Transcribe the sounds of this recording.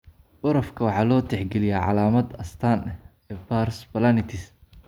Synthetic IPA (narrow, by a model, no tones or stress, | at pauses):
ʔʊɾɐfkʰɐwɑħɑːlɔːt̪ʰɛħɡɛlɪjaʕɑ̰laːmɐd̪ɐst̪ʰaːnɛ | ɛːbaːrsbɐlanɪt̪ʰɪs